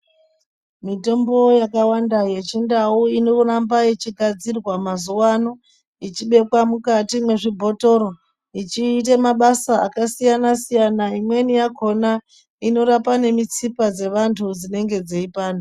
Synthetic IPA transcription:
mito̞mbo̞jakawandaje̞t͡ʃindauinourambaje̞t͡ʃiɡʱad͡zirwamazuwano̞ | it͡ʃiɓe̞kwamukatimwe̞ʐibʱo̞to̞ɾo̞ | it͡ʃiːt̬emaɓasaːkasijanasijanaimwe̞nijako̞na | ino̞ɾapane̞mit͡sipad͡ze̞ʋantʰud͡zine̞ŋɡe̞d͡zeipaːno

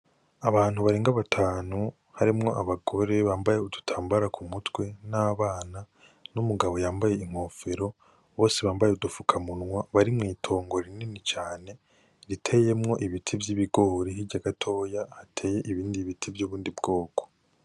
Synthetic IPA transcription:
aβaːn̥huβaɾe̞ːŋɡaβatʰaːnu | haɾimŋo̞ʔaβaɡo̞ɾe̞βaːmbaje̞udutʰaːmbaɾakʰumutwe̞naβaːna | numuɡaβo̞jaːmbaje̞iŋ̥ho̞ːfe̞ɾo̞ | βo̞ːse̞βaːmbajeudufukʰamunŋwaβaɾimŋiːtʰo̞ːŋɡo̞ɾininit͡ʃaːne̞ | ɾitʰeːje̞mŋo̞ʔiβitʰibjiβiɡo̞ːɾiɦiɟaɡatʰo̞ːjahatʰe̞ːje̞ʔiβiːndiβitʰibjuːβuːndibɡo̞ːko̥

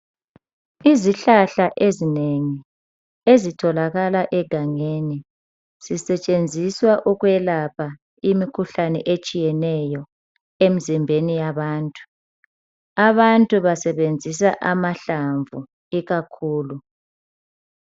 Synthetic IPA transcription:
iziɬaɬaʔezineŋi | ezitʰɔlaɣalaʔɛɡ̥ʱaŋeni | z̥isɛt͡ʃʼend͡zʱiswaʔuɣwɛlapʰa | imikʰuɬanɛʔet͡ʃʼijɛnɛjɔ | em̩zimbʱenijaβaːntʼu̥ | aβantʼuβasɛβend͡zʱis̬aʔamaɬaɱvu | iɣakʰuːlu

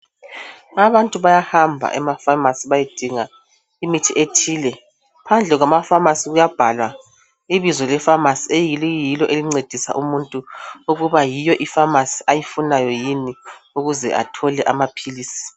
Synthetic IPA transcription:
aβantʼuβajahambʱa̰ʔɛmafamasiβajid̥ʱiŋa | imitʰiʔetʰiːlɛ | pʰand͡ɮʱɛɣwamafamasiɣujab̥ʱalwa | iβizɔlɛfamasiejiljilɔʔeliŋ͡ǀed̥ʱisa̰ʔumuntʼuuɣuβajijɔʔifamasi̥ʔajifunajɔjiniuɣuzɛ̰ʔa̰tʰɔlɛʔamapʰiliːsi̥

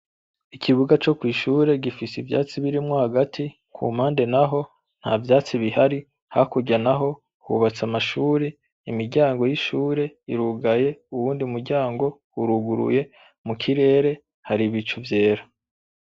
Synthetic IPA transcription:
ikʰiβuɡat͡ʃo̞kwiːʃuːɾe̞ɡifisivja̰ːt͡siβiɾimŋohaɡatʰi | kʰṵmaːnde̞naɦo̞ | n̥ha̰vjaːt͡siβihaɾi | ha̰kuɟanaɦo̞ | hṵβat͡samaʃuːɾe | imiɾɟaːŋɡo̞jiʃuːɾe̞iɾuɡaje̞uwuːndiumuɾɟaːŋɡo̞ | uɾuɡuɾṵje̞ | mukʰiɾe̞ːɾe̞ | haɾiβit͡ʃuvje̞ːɾa

